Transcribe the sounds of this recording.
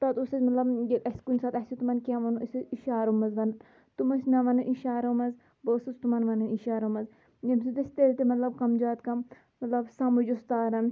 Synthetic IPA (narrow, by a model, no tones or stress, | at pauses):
t̪ɐt̪usɐzʲmɐt̪lɐbjɐkɐskunʲsaːt̪ɐsʲit̪umɐnkʲaʋɐnuʔɐsʲiʃaːɾɐmɐzʋɐn | t̪umɐsnɐʋɐnuʔiʃaːɾɐmɐz | boːsɨzt̪umɐnʋɐnuiʃaːɾɐmɐz | jɐmsid̪isʲt̪elʲt̪imɐt̪lɐbkɐmd͡ʒaːt̪kɐmː | ɐt̪lɐbsamud͡ʒust̪aːɾɐn